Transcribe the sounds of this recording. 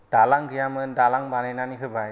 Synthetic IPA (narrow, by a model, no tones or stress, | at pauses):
d̥alaŋɡɯjamɯndalaŋbanɛnaniɦɯbaj